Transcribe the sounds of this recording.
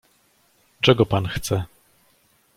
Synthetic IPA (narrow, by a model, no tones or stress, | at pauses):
t͡ʂɛɡɔpanxt̪sɛ